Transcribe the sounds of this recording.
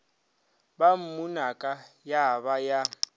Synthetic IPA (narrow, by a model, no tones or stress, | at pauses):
bam̩munakʼajaβaja